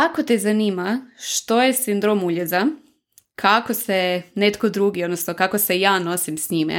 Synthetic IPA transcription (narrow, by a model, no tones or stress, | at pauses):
ako̞t̪ezaniːmaʃt̪o̞jesind̪ɾo̞muʎeza | kʰakosenet̪ko̞d̪ɾuːɡiod̪nosnokako̞sejaːno̞simsɲimḛ